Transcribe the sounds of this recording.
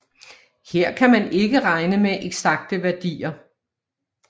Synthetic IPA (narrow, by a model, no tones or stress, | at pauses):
he̝ɐ̰kʰæmæne̝ɡ̥əʁɑ̈ɪnəmeʔeɡ̥sæɡ̥̚d̥əʋæɐd̥ḭːɐ